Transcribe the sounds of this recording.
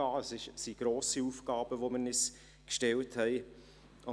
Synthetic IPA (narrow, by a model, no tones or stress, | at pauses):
ɑːəsɪʃsiɡ̥roːsiuːfɡ̥ɑːb̥əʋomənis | kʃtɛlthɛɪ | ʊ